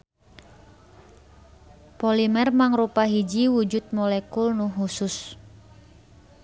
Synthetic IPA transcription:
polimɛrmaŋrupaɦid͡ʒiwud͡ʒʊt̪̚mɔlɛkulnuɦusʊs

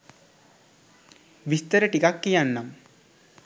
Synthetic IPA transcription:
ʋist̪əɾəʈikakːijanːam

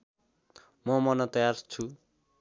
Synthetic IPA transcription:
mʌmʌnʌt̪ʌjart͡sʰu

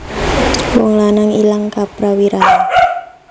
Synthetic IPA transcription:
wɔŋlanaŋilaŋkapɾawiɾaɦa

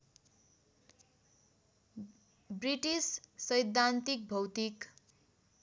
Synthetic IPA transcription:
briʈissʌjd̪ʱːant̪ik̚bʱʌwt̪ik

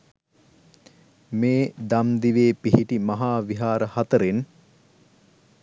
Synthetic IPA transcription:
meːd̪amd̪iʋeːpiɦiʈimaɦaːʋiɦaːɾəhat̪əɾen

